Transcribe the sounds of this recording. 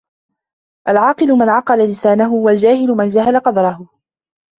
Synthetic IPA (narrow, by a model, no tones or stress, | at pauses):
ʔalʕɑːqɨlʊmanʕɑqɑlalɪsaːnaɦʊhʊwald͡ʒaːhɪlʊmand͡ʒaɦalaqɑd̪ɾˤɑɦʊ